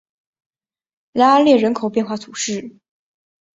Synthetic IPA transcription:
la˥a˥ljɛ˥˩ɻə˧˥nkʰo˨˩ʊpjɛ˥˧nxwa˥˩t̪ʰu˨˩ʂɻ̩˥˩

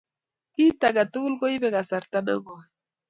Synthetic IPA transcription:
ki˦t̪aɡa˨t̪u˦lɡo˦ibe˦ɡasa˨ɾt̪ano̰˦ɡo˨

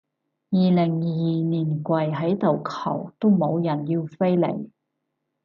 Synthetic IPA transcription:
jiː˨˩lɪ˨˩ŋjijiː˨niː˨˩nkʷɐ˨jɦɐ˨˥jt̪o˨wkʰɐ̰˨˩wt̪o˥wmo˨˧wjɐ˨˩njiː˧wfe˥jlḛ˨˩j

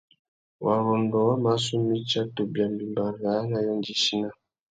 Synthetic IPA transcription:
wa˨ɾɔ˨ndɔ˨wa˦ma˨˦su˦mi˦t͡ʃa˦tu˨bja˨mbi˨mba˨ɣa˨˦na˦jɔ˦nd͡ʒi˨ʃi˦na˦

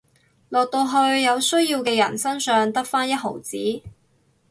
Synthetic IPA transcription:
lɔː˨k̚t̪o˧wɦɵ˧ɥjɐ˨˧wsɵ˥ɥjiː˧wkɛː˧jɐ̰˨˩nsɐ˥nsœː˨˧ŋt̪ɐ˥k̚faː˥njɐ˥t̚ɦo˨˩wt͡siː˨˥

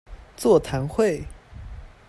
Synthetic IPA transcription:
t͡swɔ˥˩t̪ʰa˧˥nxwe˥˨˩ɪ

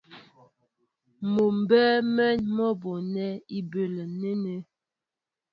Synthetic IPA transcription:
mo˨m˨bɛ˦mɛ˦nmɔ˦bo˨nɛ˦i˦be˨lə˨ne˦ne˦

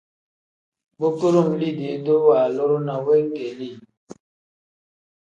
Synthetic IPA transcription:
bo˦ko˦ɾo˦˨mli˦˨de˨˦do˦waː˨lo˦ɾo˦na˨we˦ŋ˦ɡe˨li˦˨

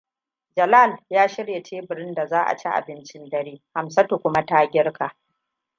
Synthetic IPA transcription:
d͡ʒɐ˨la˦˨ljaː˦ʃɪ˦ɽje˨tʰeː˦bɪ˨ɾɪ˦nda˨zaː˦ʔa̰˨t͡ʃi˦ʔa̰˨bɪ˦nt͡ʃɪ˦ndɐ˦ɾeː˦ha˨msɐ˦tu˨kʷʊ˦ma˦taː˦ɡʲɪ˦ɽka˨ʔ

